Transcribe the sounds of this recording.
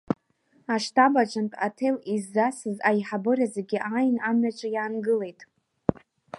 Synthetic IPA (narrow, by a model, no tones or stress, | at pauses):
aʂtʰabat͡ʃʷʼantʼa̰tʰelizːasɨzajħabɨrazeɡʲiʔajnamɥat͡ʃʷʼajaːnɡɨle̞jtʼ